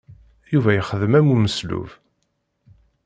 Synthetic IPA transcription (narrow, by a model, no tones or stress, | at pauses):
juvæjəχəðəmæmuməslṵv